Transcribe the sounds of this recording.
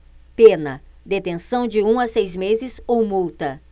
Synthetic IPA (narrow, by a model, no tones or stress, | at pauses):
penɐd̪et̪ẽsɐ̃w̃d͡ʒɪũasejzmezɪzowmuwt̪ɐ